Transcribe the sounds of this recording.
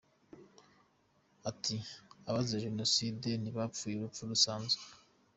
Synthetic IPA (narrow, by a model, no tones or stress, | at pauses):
atʰiaβazeʒeno̞sideniβapfuːjeβafuɾusaːnze